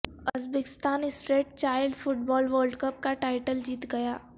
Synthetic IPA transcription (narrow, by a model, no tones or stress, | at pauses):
ɐzbekɪ̥st̪aːnɪsfɾeːʈ̚t͡ʃaːɪlɖfʊʈ̚bɔːlʋəːɾɖkəp̚kaʈaːɪʈəld͡ʒiːt̪ɡɐjaː